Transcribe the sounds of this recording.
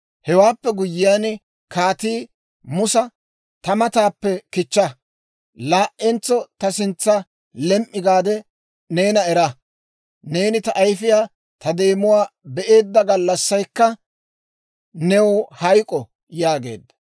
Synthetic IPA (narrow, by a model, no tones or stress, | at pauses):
hɛwaːpːɛɡʊjːɪjaːn | kaːt̪iː | mʊsɐ | t̪ɐmɐt̪aːpːɛkɪt͡ʃːɐ | laːʔɛnt͡sːɔt̪ɐsɪnt͡sːɐ | lɛmʔːɪɡaːd̪ɛ | ne̞ːnɐɛɾɐ | ne̞ːnɪt̪ɐʔɐjfɪjaː | t̪ʰɐd̪e̞ːmʊwaːbɛʔe̞ːd̪ːɐɡɐlːɐsːɐjkːɐ | nɛwɔhɐjkʼɔ | jaːɡe̞̰ːd̪ːɐ̥